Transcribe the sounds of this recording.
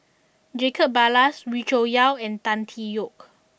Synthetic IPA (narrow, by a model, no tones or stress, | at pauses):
d͡ʒekʰəp̚balaswit͡ʃojawɛ̃nt̪ãntʰijok̚